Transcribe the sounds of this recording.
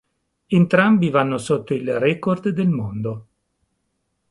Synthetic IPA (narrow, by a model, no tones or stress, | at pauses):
ent̪ɾambivanːosot̪ːoilrɛkord̪d̪elmond̪o